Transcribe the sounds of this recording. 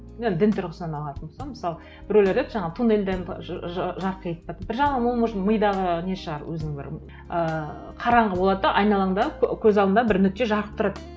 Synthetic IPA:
nend̪ɪnt̪ʰɪɾʁəsənɑnɑlˠɑt̪ənbosɑlˠməsɑlˠə | b̥ɪɾolʲeɾd̪eʒɑɴɑʁət̪ʰuneld̪eʒɑɾqʰəjet̪ə̥pːɑt̪bɪɾʒɑɴɑməlˠməʃməjd̪ɑʁəneʃəʁɑɾwɵzɪnɪŋbɪ̰ɾ | ə | qʰɑɾɑɴʁəbolˠɑd̪əd̪ɑʔɑjnɑlˠɑɴd̪ɑkʲʰɵzɑlˠd̪nd̪ɑbɪɾnʏk̚t̪e̞ʒɑɾqə̥p̚t̪ʰʊɾɑt̪

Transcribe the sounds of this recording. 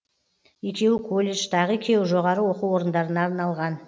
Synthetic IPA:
je̞kʲe̞wɪkʰo̞lʲːe̞ʃt̪ʰɑʁəekʲʰe̞wɪʒo̞ʁɑɾəwo̞quwo̞ɾənd̪ɑɾənɑːɾnɑlˠʁɑn

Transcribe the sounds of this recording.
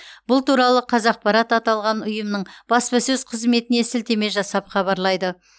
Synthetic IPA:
bʊlˠt̪uɾɑlˠəqʰɑzɑq̚pɑɾɑt̪ɑt̪ɑlˠʁɑnʊjəmnəɴb̥ɑspɑsɵzqʰəzme̞t̪ɪnesɪlt̪e̞me̞ʒɑsɑpχɑβɑɾlˠɑjd̪ə

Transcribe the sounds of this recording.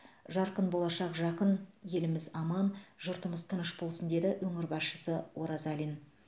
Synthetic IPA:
ʒɑɾqənbo̞lˠɑʃɑqʒɑqənje̞lɪmɪzɑmɑnʒʊɾt̪əməzt̪ʰənəʃbo̞lˠsənd̪e̞d̪ɪwɵŋɪɾbɑsʃəsəwo̞ɾɑzɑlʲin

